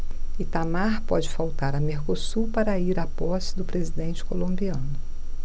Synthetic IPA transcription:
ɪt̪amaɾpɔd͡ʒɪfawt̪aɾɐmeɾkosupaɾɐiɾapɔsɪ̥d̪ʊpɾezid̪ẽnt͡ʃɪ̥kolõmbiɐ̃nʊ

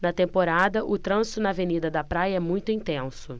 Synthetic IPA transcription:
nɐt̪ẽmpoɾad̪ɐʔʊt̪ɾɐ̃sʊnɐavenid̪ɐd̪ɐpɾajɐɛmũj̃t̪ʊĩnt̪ẽsʊ

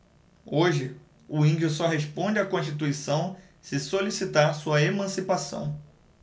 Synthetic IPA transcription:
oʒɪ | ʊĩd͡ʒʊsɔɦeʃpõd͡ʒɪakõʃt͡ʃit̪̬uisɐ̃w̃ | sɪsolisit̪aɾsuɐemɐ̃sipasɐ̰̃w̃

